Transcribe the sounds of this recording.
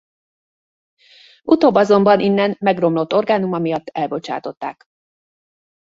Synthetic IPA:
ut̪oːbːɒzo̞mbɒnʔinːɛnmɛɡro̞mlo̞t̪ːo̞rɡaːnumɒmijɒt̪ːɛlbo̞t͡ʃa̰ːt̪o̞t̪ːa̰ːk

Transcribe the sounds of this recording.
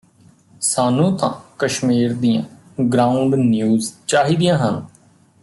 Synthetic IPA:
saːnũːt̪ã̰ːkəʃmiːɾd̪ijã̰ː | ɡɾaːʊɳɖnjuːzt͡ʃaːɦiːd̪ijãːɦən

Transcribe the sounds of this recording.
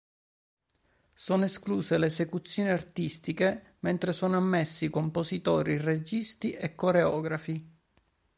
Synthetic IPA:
soːnoeskluːseleːsekut̪sːjoːniart̪ist̪ike | ment̪ɾesoːnoamːesːikompozit̪ɔːɾired͡ʒist̪iʔekːoɾeɔːɡɾafi

